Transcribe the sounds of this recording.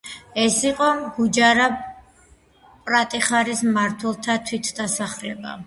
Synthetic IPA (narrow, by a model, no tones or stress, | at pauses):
ɛsiqʼɔɡud͡ʒaɾa | pʼɾat̪ʼiχaɾismaɾt̪ʰwɛlˠt̪ʰat̪ʰwit̪ʰd̪asaχlɛba̰